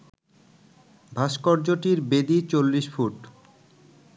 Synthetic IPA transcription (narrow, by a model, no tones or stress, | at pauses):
bʱaʃkɔɾd͡ʑoʈiɾbed̪it͡ɕolːiʃfʰuʈ